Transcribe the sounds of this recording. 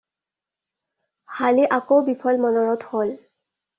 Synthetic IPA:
haliʔakowbipʰɔlmɔnɔɹɔthol

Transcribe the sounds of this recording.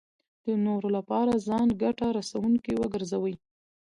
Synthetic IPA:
d̪̥ənoɾolapɑɾazɑnɡaʈaɾasawuŋkiwəɡəɾzawəj

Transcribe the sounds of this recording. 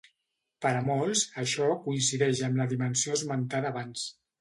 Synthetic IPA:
pəɾəmɔlˠsəʃɔkuinsiðɛʒəmləðimənsioəzmənt̪aðəːβans

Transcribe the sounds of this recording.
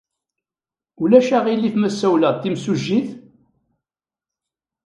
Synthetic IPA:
ulæʃaʁilːifmæsːæwləðˤt̪ːimsuʒːiθ

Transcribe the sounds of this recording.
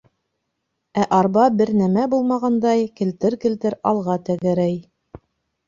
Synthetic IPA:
æʔɑɾbɑbɘɾnæmæbulˠmɑʁɑnd̪ɑjkɘ̆lt̪ɘɾkɘ̆lt̪ɘɾɑlˠʁɑt̪æɡæ̆ɾæj

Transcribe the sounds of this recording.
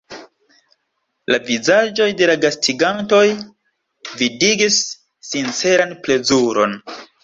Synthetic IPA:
lavizad͡ʒo̞jde̞laɡastʰiɡanto̞j | vidiɡisː | int͡se̞ɾanple̞zuɾo̞̰n

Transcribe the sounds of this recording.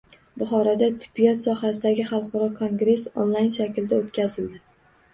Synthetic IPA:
bʊχɒɾad̪at̪ʰɪ̥bːijɒt̪sɒhasɪd̪aɡʲɪχɑlˠqʰɒɾɒkʰoŋɡɾe̞so̰nlˠajnʃakʲɪlɪd̪aot̪kʲʰazɪld̪ɪ

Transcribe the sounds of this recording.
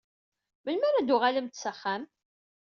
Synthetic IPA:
məlmæɾæd̪uʁaləmt̪səχːæm

